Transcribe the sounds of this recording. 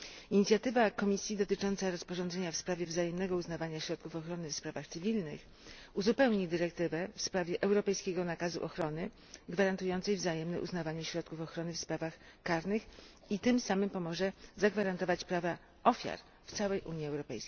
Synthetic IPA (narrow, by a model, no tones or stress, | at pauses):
iɲit̪sʲjat̪ɘvakɔmʲisʲjid̪ɔt̪ɘt͡ʂɔnt̪saɾɔspɔʐɔndzɛɲafspɾavʲjɛvzajɛmnɛɡɔuznavaɲaɕɾɔt̪̚kufɔxɾɔnɘfspɾavaxt̪sɘvʲilnɘ̰x | uzupɛwɲid̪ɘɾɛkt̪ɘvɛfspɾavʲjɛʔɛwɾɔpɛjskʲɛɡɔnakazṵʔɔxɾɔnɘ | ɡvaɾant̪ujɔnt̪sɛjvzajɛmnɛ̰ʔṵznavaɲɛɕɾɔt̪̚kufɔxɾɔnɘfspɾavax | kaɾnɘx | it̪ɘmsamɘmpɔmɔʐɛzaɡvaɾant̪ɔvat͡ɕpɾava | ɔfʲja̰ɾ | ft̪sawɛjʔuɲjiɛwɾɔpɛ̰jskʲej